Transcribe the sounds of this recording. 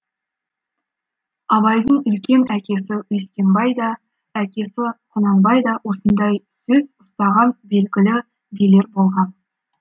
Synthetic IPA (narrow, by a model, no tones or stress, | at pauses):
ɑβɑjd̪əɴʏlkʲe̞nækʲe̞sɪwest̪ʲe̞mbɑjd̪ɑ | ækʲe̞sɪqʰʊnɑnbɑjd̪ɑwo̞sənd̪ɑjsɵzʊst̪ɑʁɑnbe̞lɡʲɪlɪ | bile̞ɾbo̞lˠʁɑn